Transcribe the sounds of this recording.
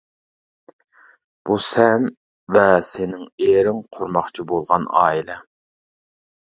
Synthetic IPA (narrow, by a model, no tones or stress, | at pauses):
b̥usɛn | vɛsenɪŋeːɾɪŋqʰoɾmɑχt͡ʃʰibolˠʁɑnɑ̰ːilɛ